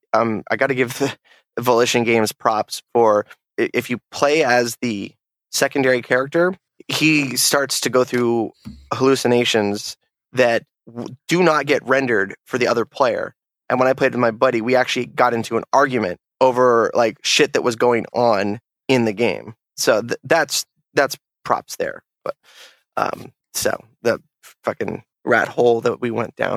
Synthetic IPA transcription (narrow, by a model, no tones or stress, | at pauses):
ʌ̃mʔa̰ɪɡɑɾɨɡɪvðɨ | vəlɪʃɨ̃nɡẽɪ̃mz̥pʰɹ̥ɑpsfə˞ | ʔɪfjɨpʰl̥eɪɨzðɨ | sɛkn̩dɛɹikʰɛɹɨk̚tə˞ | istɑɹtstʰɨɡoʊθɹʉhəlʉsɨneɪʃɨ̃nz̥ | ðɨt̚ | d̥ɨnət̚ɡ̥ɛʔ̚ɹɛ̃ndə˞d̥fə˞ðiʌðə˞pʰl̥eɪə̰˞ | ʔɨ̃nwə̃naɪpʰeɪɾmaɪbʌɾiwiæk̚t͡ʃʉl̩ˠiɡɑɾɪ̃ntʰʉə̃nɑɹɡjmɨ̰̃nt̚oʊvə˞lʔaɪkʃɪt̪̚ðɨʔ̚wʌzɡoʊɪ̃ŋə̃n | ɪ̃nðɨɡẽɪ̃m | soʊððæts | ðæts | pʰɹ̥ɑ̰psðə̰˞ | b̥ʌ̰t̚ | ʔʌ̰̃m | so̰ʊ | ðɨ | fʌkɨ̃n | ɹæ̰t̚hoʊlˠðət̚wiwɛ̰̃nd̥ã̰ʊ̃n